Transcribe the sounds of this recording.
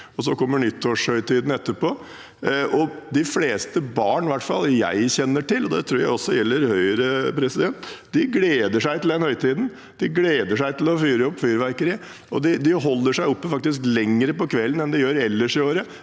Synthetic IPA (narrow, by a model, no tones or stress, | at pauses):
ɔsɔkʰɔmːəɳʏt̪ʰːoːʂhœʏt̪ʰiːd̪n̩ɛt̪ːəɾpoː | ʔɔd̪ɪfleːst̪əbɑːɳʋæʈfɑ̰ljæ̰ɪçɛnːəʈɪlːɔd̪ɛ̰t̪ʰɾuːɾjæ̰ɪɔsːɔjɛlːəɾhœʏəɾəpʰɾɛsɪd̪ɛnt̪d̪ɪɡleːd̪əʂæɪt̪ɪl̩d̪ɛnhœʏt̪ʰiːd̪n̩ | d̪̥ɪɡleːd̪əʂæɪt̪lɔfyːɾəɔpːfyːɾʋæɾkəɾɪ | ʔɔd̪ɪd̪ɪɦɔlːəʂæɪɔpːəfɑk̚t̪ɪsklɛŋːəɾəpɔkʰʋɛlːənɛnd̪ɪjøːɾɛlːəʂɪoːɾə